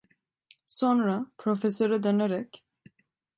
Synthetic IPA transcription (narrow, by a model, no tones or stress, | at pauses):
sɔnɾapʰɾofɛsøɾɯd̪ɛnɛɾɛkʲ